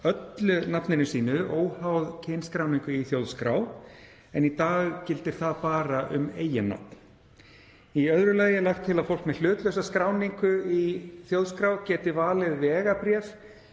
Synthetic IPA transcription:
œt̪lʏnapnɪnʏsiːnʏʔoːwhawðcʰenskɾawniŋkʏiθjowðskɾaːw | ɛnit̪aːɣcɪlt̪ɪɾ̥θaðpaːɾaʔʏ̰meːjɪnːa̰p̪n̥ | iœðɾʏlaːjɪɛlaxt̪ʰːɪlaðfowl̥kmɛl̥ʏːt̪lœwsaskɾaːwniŋkʏiθjowðskɾawcɛːt̪ɪvaːlɪðvɛːɣapɾjɛs

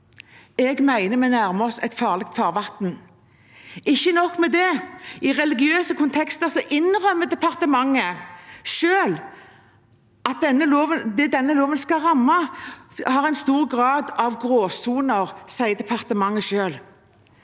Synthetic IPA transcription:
ɛɡmæɪnəmɛnæʁməɔsɛt̪fɑːʁlɛk̚t̪fɑːʁʋɑt̪n | ɪçːənɔkːmɛd̪ɛʔɪʁɛlɪɡɪøːsəkʰʊnt̪ʰɛkst̪əʁsɔʔɪnʁœmːəd̪ɛpʰɑʁt̪əmɑŋːəʃøːl | ɑt̪̚d̪ɛnːəloːʋənd̪ɛd̪ɛnːəloːʋənskɑʁɑmːɑ | hɑʁæɪnst̪uːʁɡʁɑːd̪ɑʋɡʁoːsuːnəʁsæɪd̪ɛpʰɑʁt̪əmɑŋːəʃøːl

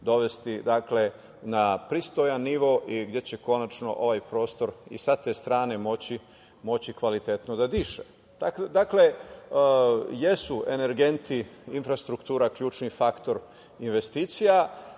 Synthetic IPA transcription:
d̪o̞ʋe̞st̪id̪akle̞ | napɾist̪ojanːiʋo̞ʔiɡd̪je̞t͡ɕe̞ko̞nat͡ʃno̞̰ʔo̞ʋajpɾo̞ːst̪o̞ɾḭsat̪e̞st̪ɾaːne̞mo̞t͡ɕi | mo̞t͡ɕikʋalit̪et̪nod̪ad̪iːʃe | d̪̥akd̪akle̞ | je̞sue̞ne̞ɾɡe̞nt̪ʰiinfɾast̪ɾukt̪uːɾakʎuːt͡ʃnifakt̪o̞ɾ | inʋe̞st̪iːt̪sija

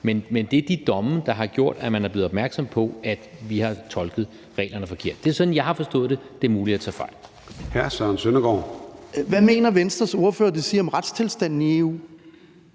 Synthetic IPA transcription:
menmend̥e̝d̥id̥ɒ̽md̥ɑ̈ɦɑ̈ɡ̥jo̝ɐ̰d̥æmænhæɐb̥le̝ːð̩ˠɒbmæɐɡ̥sɒ̽mpʰɒ̽ʔæd̥ʋihɑ̈t͡sʰɒ̽lɡ̥ð̞̩ˠ | ʁɛ̰ːlɐnəfɒ̽kʰe̝ɐ̰d̥d̥e̝æɐsɒ̽d̥n̩jɑ̈ɪhɑ̈fɒ̽sd̥ɔ̰̽ːð̩ˠd̥e̝d̥e̝ɐmuːlid̥æt͡sʰɛ̰ːfɑ̈ɪ̰̥ | hæɐsɶɐnsønɐɡ̥ɒ̰ːʋæme̝̰ːnɐʋensd̥ʁɐso̝ɐfø̰ːɐd̥e̝siːɐɒ̽mʁad̥st͡sʰe̝lsd̥æn̰n̩ie̝ːṵː

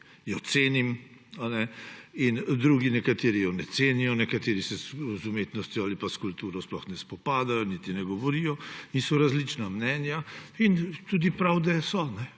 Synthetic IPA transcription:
jɔt̪seːnimanɛind̪ɾuːɡinɛkat̪eːɾijɔnɛt̪seːnijɔnɛkat̪eːɾisɛzumeːt̪nɔst̪jɔaːlipaskult̪uːɾɔsplɔxnɛspɔpaːd̪ajɔnit̪inɛɡɔʋɔɾijɔinsɔɾazlit͡ʃnamnɛnjaint̪ud̪ipɾawd̪ɛsɔnɛ

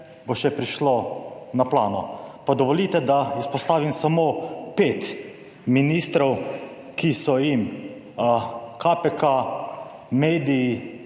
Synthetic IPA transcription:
boʃɛpɾiʃlonaplaːnɔpad̪ɔʋɔliːt̪ɛd̪auspɔst̪aːʋimsamoːpeːt̪ | minist̪ɾɔw | kisɔjim | kʰapɛka | meːd̪iji

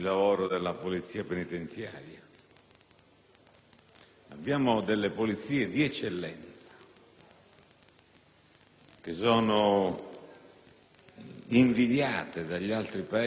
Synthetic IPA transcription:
lːavoːɾod̪elːapolit̪siːapenit̪ent̪sja̰ːɾja | abːjaːmod̪elːepolit̪siːed̪iɛt͡ʃːelːɛnt̪sḁ | k̟es̬ɔːno | iɱvid̪jaːt̪ed̪aʎːialt̪ɾipa

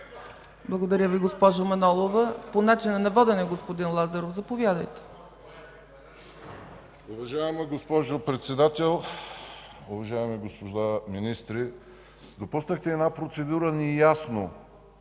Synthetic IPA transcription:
blˠɐɡod̪ɐɾʲəviɡospɔʒomɐnɔlˠovəponat͡ʃinənɐvɔd̪ɛnɛɡospod̪inlˠazɐɾofzɐpovʲjad̪əjt̪ɛ̥ | ʊvɐʒaɛmɐɡospɔʒopɾɛt̪sɛd̪at̪ɛlˠ | ʊvɐʒaɛmiɡospod̪aminist̪ɾi | d̪opusnəxt̪ɛːnapɾot̪sɛd̪uɾənɛjasno

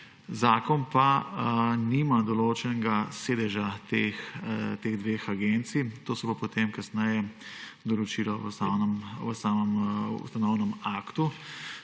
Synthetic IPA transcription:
zaːkɔnpa | nimad̪ɔloːt͡ʃɛnɛɡaseːd̪ɛʒat̪ext̪eːɣd̪ʋeːxaɡent̪sit̪oːsɔpapot̪emkɐsnɛjɛd̪ɔlɔt͡ʃilɔʋsanəmʋəsaːməmṵst̪anɔwnəmaːkt̪u

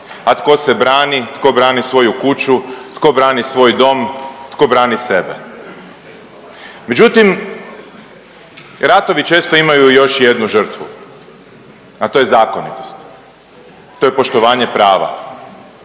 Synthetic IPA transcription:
at̪ko̞sebɾaːnit̪ko̞bɾaːnisʋo̞jukut͡ʃut̪ko̞bɾaːnisʋo̞ːjd̪o̞mt̪ko̞bɾaːnisebḛ | me̞d͡ʑut̪im | ɾat̪o̞ʋit͡ʃe̞ːst̪o̞imajujo̞ʃjed̪nuʒər̩t̪ʋu | at̪ojezaːko̞nḭt̪o̞st̪ | t̪ːojepo̞ʃt̪oʋaːɲe̞pɾaːʋa̰

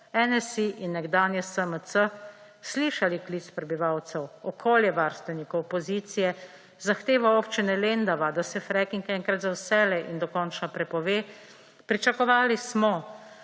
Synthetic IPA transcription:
ɛnɛsiʔinːɛɡd̪aːnjɛsəməsə | sliːʃalikliːt̪spɾɛbiʋawt̪sɛwɔkʰoːljɛʋaɾst̪ʋɛnikɔwpɔzit̪sijɛ | zaxt̪eːʋaoːpt͡ʃinɛleːnd̪aʋad̪asɛfɾɛkiŋkɛŋkɾat̪zawsɛːlɛʔind̪ɔkɔːnt͡ʃnapɾɛpɔʋeː | pɾit͡ʃakɔʋaːlismɔ

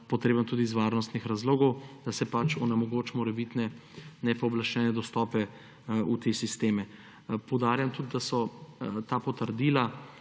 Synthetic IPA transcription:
pɔt̪ɾeːbəmt̪uːd̪izʋaɾnɔst̪nixɾazloːɡɔwd̪̥asɛpat͡ʃɔnɛmɔɡot͡ʃmɔɾɛbit̪nɛnɛpɔɔblaʃt͡ʃɛːnɛd̪ɔst̪ɔːpɛ | ut̪esist̪eːmɛ | pɔwd̪aːɾjamt̪ud̪d̪asɔt̪aːpɔt̪əɾd̪iːla

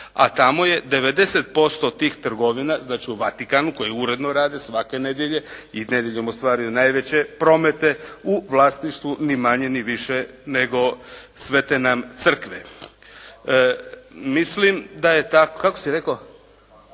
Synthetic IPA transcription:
a̰t̪amo̞je̞d̪e̞ʋe̞d̪e̞se̞t̪̚po̞st̪ot̪iːxt̪r̩ɡo̞ʋinaznaːt͡ʃiuʋat̪ikanuko̞jiuɾe̞d̪noɾaːd̪esʋake̞ne̞d̪jeʎe̞ined̪jeʎomost̪ʋaːɾijunajʋe̞t͡ɕe̞pɾo̞me̞t̪e̞uʋlˠaːst̪niʃt̪ʋunimaɲe̞niʋiʃe | ne̞ɡo̞sʋe̞t̪enamt̪sr̩kʋḛ | mislimd̪aje̞t̪akokako̞̥siɾe̞ko

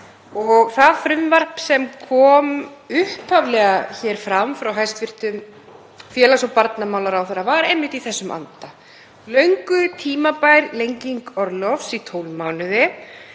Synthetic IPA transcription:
ɔɣθaðfɾʏmvar̥psɛmkʰɔːmʏhpʰavlɛɣaçɛːɾ̥fɾamfɾawɦajst̪vɪr̥t̪ʏm | fjɛːlasɔwpaɾt̪namawlaɾawθɛɾavaɾejmːɪht̪iθɛsːʏmʔa̰nt̪a | lœɥŋkʏt̪ʰiːmapajɾlejɲciŋkɔɾlɔfsit̪ʰowlmaːwnʏðɪ

